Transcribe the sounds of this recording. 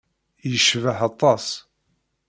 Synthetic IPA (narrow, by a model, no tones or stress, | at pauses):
jəʃvəħɑt̪ˤːɑsˤ